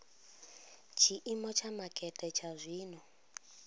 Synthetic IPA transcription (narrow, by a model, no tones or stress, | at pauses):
t͡ʃʰiʔimɔt͡ʃʰamakʼɛtʼɛt͡ʃʰazʷiːnɔ